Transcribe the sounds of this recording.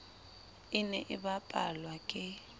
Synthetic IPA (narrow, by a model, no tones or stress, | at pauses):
ɪnɛʔɪbapʼalwakʼɪ